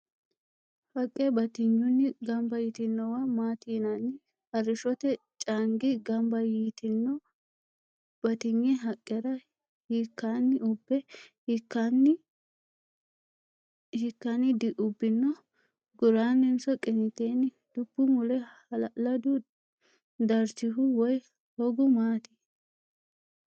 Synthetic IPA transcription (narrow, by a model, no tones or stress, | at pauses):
hɐkʼːɛbɐt̪ɪɲːʊnːɪɡɐmbɐjɪt̪ɪnːɔwɐmaːt̪iːnɐnːɪ | hɐɾɪʃɔt̪ɛ | t͡ʃʼaŋɡɪɡɐmbɐjiːt̪ɪnːɔ | bɐt̪ɪɲːɛɦɐkʼːɛɾɐ | hiːkːaːnːɪʊbːɛ | kːan | hɪkːɐnɪd̪ɪʔʊbːɪnːɔ | ɡʊɾaːnːɪnsɔkʼɪnɪt̪eːnɪ | d̪̥ʊbːʊmʊlɛɐlɐd̪ʊ | d̪ɐɾt͡ʃɪhʊwɔj | hɔɡʊmaːt̪i̥